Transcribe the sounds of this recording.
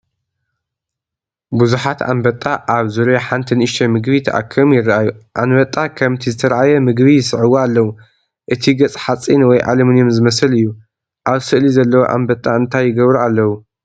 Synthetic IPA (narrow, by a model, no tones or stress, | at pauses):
buzuħat̪ʰa̰mbɐt̪ʼːaʔaβzuɾjaħant̪ʰɨnɨʃt̪ʰɐmɨɡβit̪ʰɐʔa̰kʰːɐmjɪrːɨʔajuʔanbɐt̪ʼːakʰɐmt̪ʰizɨt̪ʰɐɾʕajɛmɨɡβijɪsɨʕɨwoalːɐwu | ʔɨt̪ʰiɡɐt͡sʼħat͡sʼːinwɔjʔa̰lɐmɨnjomzɨmɐsɨlɨjːu | ʔaβsɨʔlizɐlːɐwoʔa̰mbɐt̪ʼːaɨnt̪ʰajːɪɡɐβɾualːɐwu